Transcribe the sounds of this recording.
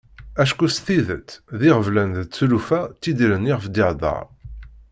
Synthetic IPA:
æʃkusθiðət͡sːðiʁəvlænðət͡sːulufæt͡s̪ːid̪ilənːiʁəfd̪iʕd̪ˤɑ̰ʁ

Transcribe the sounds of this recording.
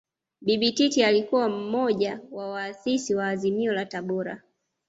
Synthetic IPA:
biɓititialikuwam̩mɔʄawawaːsisiwaːzimiɔlataɓɔɾa̰

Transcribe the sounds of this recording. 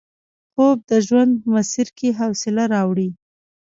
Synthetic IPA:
pob̚d̪əʒwand̪̚pəmasiɾkeɦawsɪlaɾɑwɽi

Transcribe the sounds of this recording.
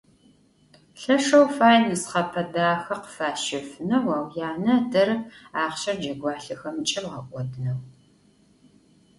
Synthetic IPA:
ɬɐʂɐwfaːjnɨsχɐpʰɐdaːxɐqə̥faːʃɪfɨnɐwaːwjaːnɐdɐɾɨpaːχɕɐrd͡ʒɐɡʷɑːɬɨxɐmt͡ʃʼɪmʁɐkʷʼɔdɨnɐw

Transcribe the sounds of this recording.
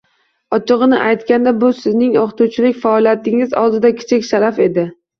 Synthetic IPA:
ɒt͡ʃʰɨʁɨnɪʔajt̪kʲand̪abʊsɪznɪŋoχt̪ut͡ʃʰɪlɪkʲfaɒlˠijat̪ʰɪŋɪzɒ̰lˠd̪ɪd̪akʲʰɪ̥t͡ʃʰɪkʲʃaɾafe̞d̪ɪ

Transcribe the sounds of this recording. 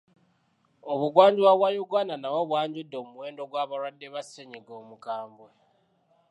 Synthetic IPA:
oβuɡwaːɲɟiwaβwajuɡwananawaβwaːɲɟidːo̞muwe̞ːndo̞ɡwaβaɾwadːeβaseɲiɡoːmuɡaːmbwe

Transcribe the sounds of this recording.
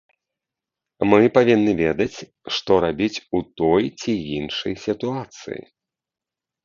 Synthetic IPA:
mɨpavʲinːɨvʲɛd̪ɐt͡sʲ | ʂt̪ɔɾabʲit͡sʲut̪ɔjt͡sʲiinʂɐjsʲit̪uat̪sɨ̰jḭ

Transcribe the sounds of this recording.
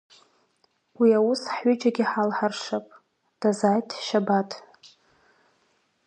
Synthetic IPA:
wiawʊsħɥʊt͡ʃʼaɡʲiħalħarʂapʼ | d̥azajtʰʃabatʼʰ

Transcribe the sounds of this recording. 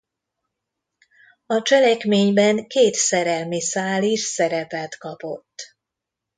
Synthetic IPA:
ɒt͡ʃɛlɛkmeːɲbɛŋkeːt̪sɛɾɛlmisaːliʃsɛɾɛpɛt̪kɒpo̞t̪ː

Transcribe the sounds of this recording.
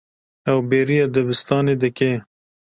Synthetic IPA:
awbeɾiad̪abɪst̪ɑːned̪əke

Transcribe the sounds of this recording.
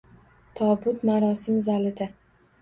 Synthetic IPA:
t̪ʰɒbʊt̪maɾɒsɪmzalɪd̪a

